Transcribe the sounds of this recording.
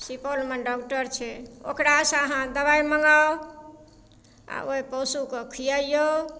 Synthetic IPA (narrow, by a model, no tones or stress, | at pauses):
sipolmeɖɔkʈəɾt͡ʃʰɛo̰kɾasə̃əɦãd̪əβaiməŋɡaw | a̰oɦipɔsukɔkʰijəjo